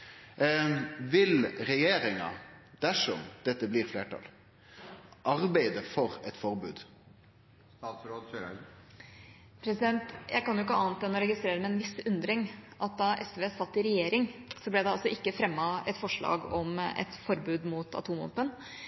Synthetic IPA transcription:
ʋɪlɾɛjeːɾɪŋɑ̰d̪̥æʂɔ̰md̪̥ɛt̪ːəbliːɾfleːʈʰɑ̰l | ʔɑɾbæɪd̪əfɔɾɛt̪fɔɾbʉ̰ːd̪ | sɾo | pʰɾɛsɪd̪ɛnt̪jʔæ̰ɪkɑnjʊɪkːəɑːnt̪d̪ɛnːɔɾɛɡɪst̪ɾeːɾəmɛnʋɪsʉnd̪ɾɪŋʔɑt̪̚d̪ɑʔɛsʋeːsɑt̪ːɪɾɛjeːɾɪŋsɔblɛd̪ɛɑlsɔʔɪkːəfɾɛmːɑɛt̪fɔʂɭɑ̰ːɡɔmɛ̰t̪fɔɾbʉːd̪muːt̪ɑ̰t̪ʰuːmɔ̰pːən

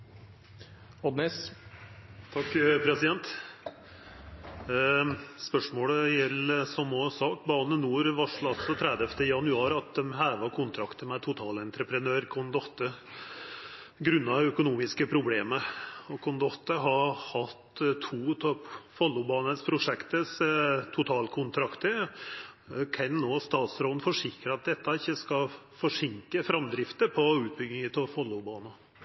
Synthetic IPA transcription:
ɔd̪nɛs | t̪ʰɑkːpʰɾɛsɪd̪ɛnt̪ | spœʂmoːɽəjɛlːəsɔmɔsɑːkbɑːnənuːɾʋɑʂɭɑlsɔt̪ʰɾɛd̪ɛft̪əjɑnʉɑːɾɑt̪̚d̪ɛmhæːɾʋɑkʰʊnt̪ʰɾɑkt̪əmɛt̪ʰʊt̪ʰɑːlɛnt̪ɾəpɾənøːɾkʰʊnd̪ɔt̪ːə | ɡɾʉnːɑœkʊnuːmɪskəpʰɾʊbleːməɔkʰʊnd̪ɔt̪ːəɦɑhɑt̪t̪ʰuːt̪ʰɔpfɔlːʊbɑːnəspʰɾʊʂɛkt̪əst̪ʰʊt̪ʰɑːlkʰʊnt̪ʰɾɑkt̪ə | kʰɛnːoːst̪ɑːt̪sɾoːnfɔʂɪkɾəɑt̪̚d̪ɛt̪ːɑɪçːəskɑ | fɔʂɪŋkəfɾɑmd̪ɾɪft̪əpʰɔʉːt̪̚bʏɡɪŋət̪ʰɔfɔlːʊbɑːnɑ

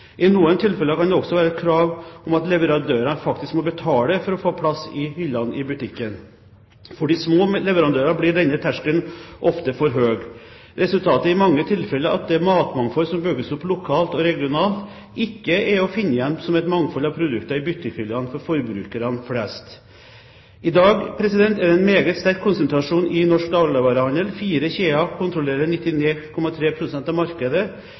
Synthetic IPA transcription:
ʔɪnuːənt̪ʰɪlfɛlːəkɑnd̪ɛɔksɔʋæːɾəɛt̪kʰɾɑːʋɔmɑt̪lɛʋəɾɑnd̪øːɾənfɑkt̪ɪskmɔbət̪ʰɑːləfɔɾɔfoːpʰlɑsɪhʏlːɑnɪbʉt̪ʰɪkːən | fɔɖiːsmoːlɛʋəɾɑnd̪øːɾɑblɪɾːɛɪnət̪ʰːæʂkənʔɔft̪əfɔɾɦøːɡ | ɾɛsʉlt̪ʰɑːt̪əɪmɑŋːət̪ʰɪlfɛlːəɾɑ̰t̪̚d̪ɛmɑːt̪mɑŋfɔɾsɔmbʏɡəsɔpːlʊkʰɑːlt̪ɔɾɛɡɪʊnɑːlt̪ | ɪkːəɛɾɔfɪnːəjɛnsɔmɛt̪mɑŋfɔlɑʋpʰɾʊd̪ʉkt̪ɑɪbʏt̪ːəçʏlɑnfɔɾfɔɾbɾʉ̰ːkəɾɑnflɛːst̪ | ɪd̪ɑːɡpʰɾɛsɪd̪ɛnt̪æɾɛnmeːɡət̪st̪æɾkʰːʊnsənt̪ʰɾɑʂuːnɪnɔʂk̚d̪ɑːllɑʋɑːɾəhɑnd̪əlfiːɾəçeːɑkʰʊnt̪ɾʊleːɾəɳɪt̪ːɪneːkʰɔmɑt̪ʰɾeːpʰɾʊsɛnt̪ɑʋmɑɾkəd̪ə

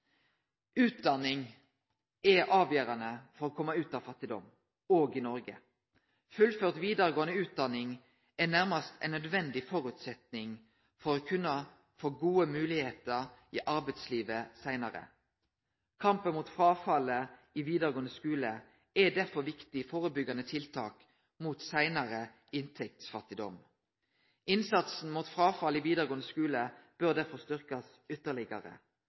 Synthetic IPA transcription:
ʉːt̪̚d̪ɑnːɪŋ | ɛɑːʋjøːɾɑnəfɔʁoːkʰɔmːəʉːt̪ɑʋfɑt̪ːɪd̪ɔ̰m | oːɡɪnɔʁɡə | fʉlføːʁt̪ʋiːd̪əɾəɡoːənəʉːt̪̚d̪ɑnɪŋ | ɛnæʁmɑst̪ʰæ̰ɪnœd̪ʋɛnd̪ɪfɔɾʉːt̪sɛt̪nɪŋ | fɔɾoːkʰʉnːə | foːɡuːəmʉːlɪheːt̪əʁiʔɑɾbæɪt̪sliːʋəsæɪnɑʁə̰ | kʰɑmpənmuːt̪fʁɑːfɑləɪʋiːd̪əʁɡoːnəskʉːlə | ɛd̪æʁfɔʁʋɪkt̪ɪfoːʁəbʏɡɑnət̪ʰɪlt̪ʰɑːk | muːt̪sæɪnɑʁə | ɪnt̪ʰɛk̚t̪sfɑt̪ːɪd̪ɔ̰m | ɪnsɑt̪sn̩muːt̪fʁɑːfɑlɪʋiːd̪əʁɡoːnəskʉːləb̥øʁd̪æʁfɔʁst̪ʏʁkɑs | ʏt̪ːəʁlɪɡɑ̰ʁə̰

